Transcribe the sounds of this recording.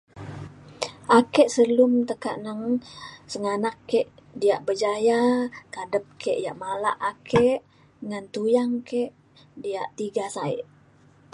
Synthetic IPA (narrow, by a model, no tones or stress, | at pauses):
ʔakɛʔsəlumt̪əka̰ʔnəŋsəŋanakːeʔdiaʔbəd͡ʒajakadəp̚keʔja̰ʔmala̰ʔakʰeʔ | ŋant̪ujaŋkeʔ | diaʔt̪iɡasaḭʔ